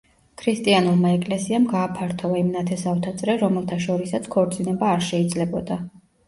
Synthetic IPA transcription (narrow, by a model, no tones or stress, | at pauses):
kʰɾist̪ʼianulˠmaɛkʼlɛsiamɡaːpʰaɾt̪ʰɔvaimnat̪ʰɛsaft̪ʰat̪sʼɾɛɾɔmɛlˠt̪ʰaʃɔɾisat̪sʰkʰɔɾt̪sʼinɛbaːɾʃɛid̪zlɛbɔd̪a